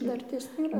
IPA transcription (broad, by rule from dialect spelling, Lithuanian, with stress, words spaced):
ˈdɐrʲtʲeːs nʲeːˈrɐ